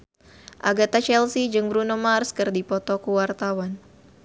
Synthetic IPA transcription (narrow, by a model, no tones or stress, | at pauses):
ʔaɡat̪at͡ʃɛlsid͡ʒɨŋbɾunɔmarskərdipɔt̪ɔkuwart̪awan